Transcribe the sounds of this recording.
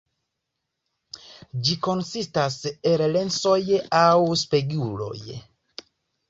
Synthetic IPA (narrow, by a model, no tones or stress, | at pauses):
d͡ʒiko̞nsistasellenso̞jawspeɡulo̞̰j